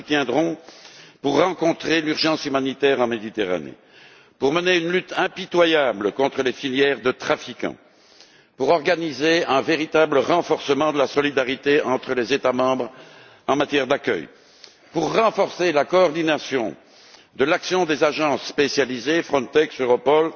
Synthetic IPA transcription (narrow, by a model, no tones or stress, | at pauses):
t̪jɛ̃d̪ʁɔ̃puʁːɑ̃kɔ̃t̪χelyʁʒɑ̃symanit̪ɛʁɑ̃med̪it̪eʁa̰nḛ | puʁməneynlyt̪ɛ̃pit̪wajabləkɔ̃t̪χəlefiljɛʁd̪ət̪χafikɑ̰̃ | puʁɔʁɡanizeɛ̃veʁit̪abləʁɑ̃fɔʁsəmɑ̃d̪əlasɔlid̪aʁit̪eɑ̃t̪χəlezet̪amɑ̃bʁ | ɑ̃mat̪jɛʁd̪akʲœ̰j | puʁːɑ̃fɔʁselakɔːʁd̪inasjɔ̃ | d̪əlaksjɔ̃d̪ezaʒɑ̃sːpesjalizefχɔ̃t̪ɛksøʁɔpɔl